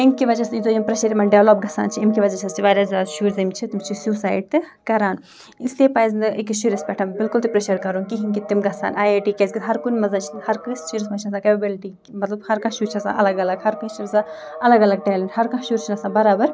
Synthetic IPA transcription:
emkiʋɐd͡ʒɐsĩzoːjimpɾeʃɐɾimɐnɖeʋloːp̚ɡɐsa̰ːnt͡ʃʰiimkiʋɐzɐt͡ʃʰɐst͡ʃʰiʋaːɾʲɐzʲaːd̪ʃuːɾzɐmt͡ʃʰit̪imt͡ʃʰisuːsaːjɖ̚t̪ɨ | kɐɾaːn | isliepaːjznd̪ɨʔekiʃuɾispɛʈʰɐmbɪlkult̪ipɾeʃɐɾkɐɾunkiɦiŋkit̪imɡɐsa̰ːnaːjeːʈiːkesɡit̪ɦɐɾkunʲmɐzɐnt͡ʃʰinhɐɾkɾist͡ʃʰiɾismɐt͡ʃʰiɐs̬ãkɐbɐbelʈi | mɐt̪lɐbhɐɾkãʃuːɾt͡ʃʰɐsa̰ʔɐ̰lɐɡɐlɐɡhɐɾkuĩʃinsã | ɐlɐɡɐlɐɡ̚ʈeːliɳɖhɐɾkãʃuːɾt͡ʃʰinɐsãːbɐɾaːbɐɾ

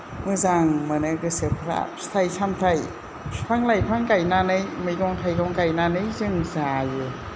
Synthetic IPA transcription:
mɯzaŋmanɯɡɯsɯpʰɾa̰stʰajsamtʰaj | pʰaŋlajpʰaŋkajnanɯjmɯjɡɔŋtʰajɡɔŋkajnanɯjzɯŋzajɯ

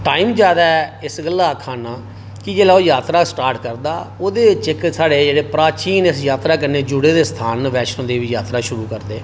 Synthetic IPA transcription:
ʈaːiːmd͡ʒjaːd̪aːɛɪsɡəlːaːkʰaːnaː | kɪd͡ʒeːlaːoːjaːt̪ɾaːsʈaːɾʈkəɾd̪a̰ːoːd̪eːt͡ʃɪksaːɽeːd͡ʒeːɽeːpɾaːt͡ʃiːnɪsjaːt̪ɾaːkəneːd͡ʒʊɽeːd̪eːst̪ʰaːnʋɛːʃnõːd̪eːʋiːjaːt̪ɾaːʃʊɾuːkəɾd̪eː

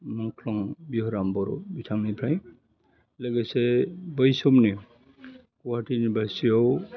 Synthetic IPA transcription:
mɔŋkʰlɔŋbiɦɔɾambɔɾɔ̰bitʰaŋnibʰɾaj̃ | leɡesebɔjsumni | kuwaʈinibasijɔw

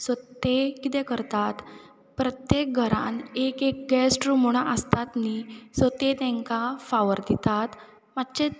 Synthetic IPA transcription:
sət̪ekit̪ɛ̃kəɾt̪at̪ | pɾət̪jek̚ɡʱəɾa̰nekek̚ɡɛsʈɾumuɽ̃aʔəst̪at̪nisət̪et̪ɛ̃ŋkafaʋəɾd̪it̪at̪ | mat̪ːt͡ɕe

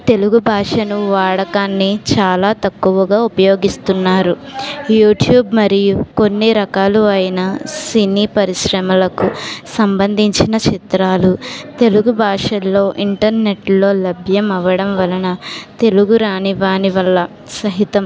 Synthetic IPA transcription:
t̪e̞luɡubʱaːʂɐnuʋaːɽɐkaːnːit͡ʃaːlaːt̪ɐkːuʋɐɡaːupɐjo̞ːɡist̪unːaːɾujuːʈjuːbmɐɾijuko̞nːiɾɐkaːluɐjinɐsiniːpɐɾiʃɾɐmɐlɐkusɐmbɐnd̪ʱiɲt͡ʃinɐt͡ʃit̪ɾaːlut̪e̞luɡubʱaːʂɐlːoːʔiɳʈɐɾne̞ʈlo̞ːlɐbʱjɐmɐʋɐɽɐmʋɐlɐnɐt̪e̞luɡuɾaːniʋaːniʋɐlːɐ | sɐɦit̪ɐm

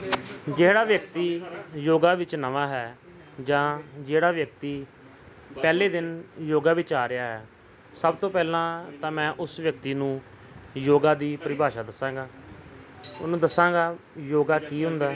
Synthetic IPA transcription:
d͡ʒeːɽaːʋjəkt̪iːjoːɡaːʋɪt͡ʃnəʋaːɦɛː | d͡ʒãːd͡ʒeːɽaːʋjək̚t̪iː | pɛːleːd̪ɪnjoːɡaːʋɪt͡ʃaːɾɪjaːɦɛː | səbt̪õːpɛːlãːt̪ãːmɛ̃ːʔʊsʋjəkt̪iːnũː | joːɡãːd̪iːpəɾɪbʱaːʃaːd̪əsãːŋɡaː | nũːd̪əsãːɡaːjoːɡaːkiːɦʊ̃nd̪aː

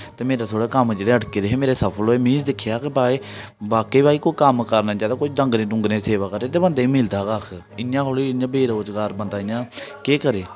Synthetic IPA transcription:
t̪eːmeːɾaːt̪ʰoːɽaːkəmd͡ʒeːɽeːəʈkeːɾeɦeːmeːɾeːsəpʰəloːeːmiːsd̪ɪkʰːjaːkebaːe | baːkeːbaːiːkoːkəmkəɾnaːd͡ʒaːd̪aːkʊt͡ʃʰdə̃ŋɡneːɖʊŋɡnẽːseːʋaːkəɾnẽːt̪̬eːbənd̪eːiːmɪld̪aːɡaːkʰ | ɪjãːkʰoliːɪjãːbeːɾoːd͡ʒɡaːɾbənd̪aːɪjãːkeːkəɾeː

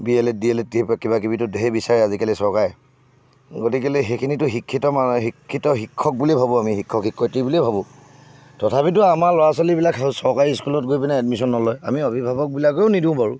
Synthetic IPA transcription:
biɛlɛt̚diɛlɛt̚diɛpakibak̬ibitʊdeɦɛbisaɹɛazikalisɔɹkajɛ | ɡotikɛlɛxekʰinitʊɦikʰːitɔmaɦikʰːitɔɦikʰːɔk̚bulibʱabɔamiɦikʰːɔkhikʰːɔjtibulebʱabɔ̃ | tɔtʰapitʊamaɹlɔɹasalibilaksɔɹkaɹiskulɔt̚ɡojpinɛad̚misɔnːɔlɔjamiɔbʱibʱabɔk̚bilak̬eʊnidĩʊ̃baɹṵ

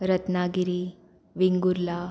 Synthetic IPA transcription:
ɾət̪naɡiɾiː | ʋiŋɡuɾla

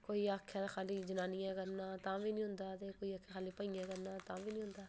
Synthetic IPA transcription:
koːiakʰːexaːlid͡ʒɪnaːnijãkəɾnaːt̪ãːbʱiːnĩːɦʊ̃nd̪aːd̪ekoːiakʰːexaːlipəiɛ̃kəɾnat̪ãːbʱiːnĩːɦʊ̃nd̪aː

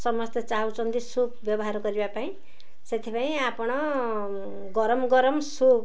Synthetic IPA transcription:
sʌmʌst̪ʌt͡saɦut͡sʌnd̪isubbjʌbʌɦaɾoɡʌɾibapaĩ | set̪ʰipaĩapɽ̃ʌ | ɡʌɾʌmɡʌɾʌmsub

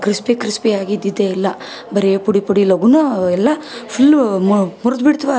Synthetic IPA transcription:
kɾispikɾispiaːɡid̪ːid̪ːeilːɐ | bɐɾepuɽipuɽilɐɡunuɛlːɐpʰulːmuɾd̪biɽt̪ʋa

